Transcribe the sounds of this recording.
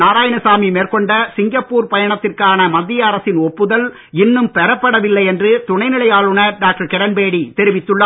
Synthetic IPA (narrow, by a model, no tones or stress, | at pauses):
naːɾaːjɐnɐsaːmimeːrkɔɳɖɐsɪŋɡɐpːuːɾpɐjɐɳɐt̪ːɪrkaːnɐmɐd̪ːɪjɐːɾɐsɪnɔpːɯðɐl | ɪnːɯmpɛɾɐpːɐɽɐʋɪlːɐɪɛndrɯt̪ʊɳɐɪnɪɭɐjaːɭɯɳɐɖaːk̚ʈɐɾkɛɾɐnbeːɽit̪ɛɾɪʋɪt̪ːɯɭːɐ